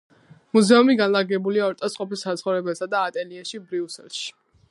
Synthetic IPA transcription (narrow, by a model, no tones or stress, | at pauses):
muzɛumiɡanlˠaɡɛbuliaɔɾt̪ʼɔsʼqʼɔpilsat̪sʰχɔvɾɛbɛlˠsad̪aːt̪ʼɛliɛʃibɾiusɛ̰lˠʃi̥